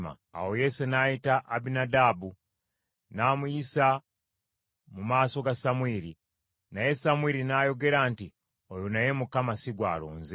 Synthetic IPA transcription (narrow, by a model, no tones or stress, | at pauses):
ma̰ | a̰wo̞je̞senajitaʔabinadabu | naːmujisa | mumaːso̞ɡasamwiɾi | naje̞samwiɾinajo̞ɡe̞ɾaːnti | ojunaje̞mukamasiɡwa̰ːlo̰ːnze